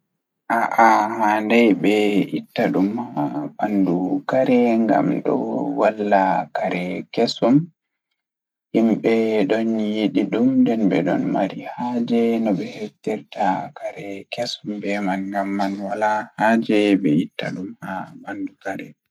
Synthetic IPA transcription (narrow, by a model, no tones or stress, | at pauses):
ʔaʔahandɛjbɛʔitːaɗumhaɓandukaɾɛŋɡa̰mɗɔ̰walːakaɾɛkɛsɔm | himɓɛɗɔnjiɗiɗumdɛnbɛ̰ɗɔ̰nma̰ɾihad͡ʒɛnɔɓɛhɛtːɛɾtakʰaɾɛkɛsɔmbɛmanŋɡamːanwalahad͡ʒɛbɛitːa̰ɗumhabandukaɾɛ